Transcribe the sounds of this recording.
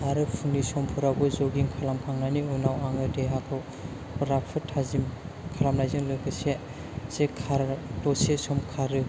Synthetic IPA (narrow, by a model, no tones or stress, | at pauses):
aɾɯpʰuŋnisɔmpʰuɾabɯzɔɡiŋkʰalamkʰaŋnaniunawaŋɯdeɦakʰɯw | ɾapʰɯtʰazim | kʰalamlajzɯŋlɯɡɯse | sekʰaɾtɔsesɔmkʰaɾɯ